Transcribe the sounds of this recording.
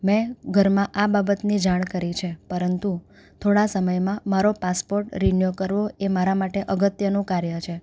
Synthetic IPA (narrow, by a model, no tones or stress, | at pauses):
mɛ̃ɡʱəɾmãʔababət̪nid͡ʒaɽ̃kəɾit͡ʃʰepəɾənt̪u | t̪ʰoɽasəməjmãmaɾopaspoɾʈɾinjokəɾʋoemaɾamaʈeʔəɡət̪jənũkaɾjət͡ʃʰe